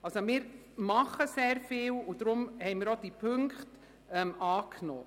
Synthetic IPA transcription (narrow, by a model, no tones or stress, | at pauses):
ɑlsomɪːɾ | mɑχəseːɾfɪːlʊd̥ɾʊmhɛɪmɪːɾod̥ipʰɵŋkχt | ɛmɑːkʰno̰ː